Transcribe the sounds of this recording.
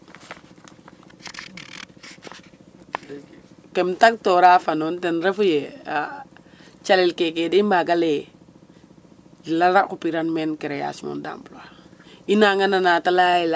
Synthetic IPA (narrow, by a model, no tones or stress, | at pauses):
kɛmtak̚tɔɾafanɔntɛnɾɛfujea | t͡ʃalɛlkɛkɛdimbaɡalɛ | dilaɾakupiɾanmɛnkɛɾɛja̰simo̰nda̰mblwainaŋananatalaila